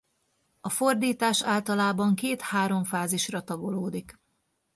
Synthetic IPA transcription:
ɒfo̞rd̪iːt̪aːʃaːlt̪ɒlaːbɒŋkeːt̪haːɾo̞ɱfaːziʃrɒt̪ɒɡo̞loːd̪ik

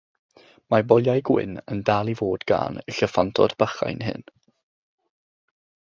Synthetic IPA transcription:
mabɔlˠjajɡwɪ̰nəndaːlˠivoːdɡa̰ːnəɬəfantʰɔ̰dbaχa̰jnɦɨ̰n

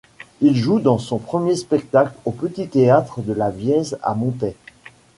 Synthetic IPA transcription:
ilʒud̪ɑ̃sɔ̃pχəmjespɛk̚t̪aklopət̪it̪eat̪χəd̪əlavjɛza̰mɔ̃t̪ɛ

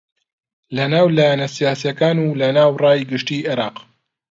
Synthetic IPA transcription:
lɐnaːwlaːjanɐsijaːsijɐkaːnuːlɐnaːwrɑːjɡɨʃt̪iːʔɪɾɑːq

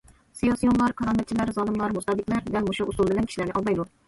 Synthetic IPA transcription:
sijɑsijɔnlˠɑɾkʰɑɾɑnd̪ɑt͡ʃʰilæɾzɑlˠɨmlˠɑɾmust̪ɑd̪ɨkʲlæɾd̪ɛlmuʃuʔusulˠbɪlɛnkʲʰiʃilæɾnɪʔɑlˠmɑjd̪u

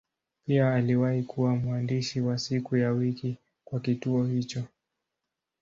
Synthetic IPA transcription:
piaːliwahikuwamuandiʃiwasikujawiki | kwakituɔhit͡ʃɔ

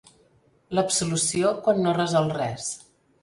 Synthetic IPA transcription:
ləpsulusiokwanːorəzɔlˠrɛs

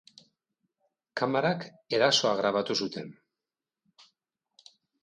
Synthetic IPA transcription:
kʰamaɾak | e̞ɾaso̞aɣ̞ɾaβ̞at̪usut̪e̞n

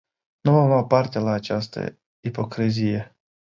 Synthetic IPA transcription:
nuvamapart̪elaːt͡ʃast̪ə̰ | ipo̞kɾizije

